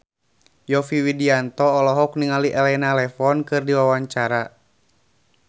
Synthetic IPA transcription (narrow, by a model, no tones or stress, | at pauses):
jɔfiwidiant̪ɔːlɔɦɔk̚niŋaliʔɛlainalɛfɔnkɨrdiwawaɲt͡ʃaɾa